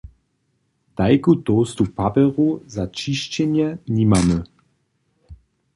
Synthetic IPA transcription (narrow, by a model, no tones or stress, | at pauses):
d̪̥ajkut̪oːst̪upabɛʁuzat͡ʃiʃt͡ɕɛnjɛnimamə